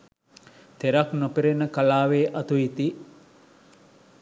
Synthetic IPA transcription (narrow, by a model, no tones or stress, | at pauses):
t̪eɾɐknopeɾenəkalaːʋeːʔɐt̪uit̪i